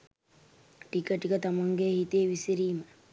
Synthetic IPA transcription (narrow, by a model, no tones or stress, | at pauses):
ʈikəʈikət̪amaŋɡehit̪eʋisiɾiːmə